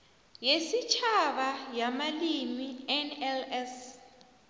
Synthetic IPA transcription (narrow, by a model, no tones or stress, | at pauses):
jesit͡ʃʰaβajamalimiɛnɛlɛs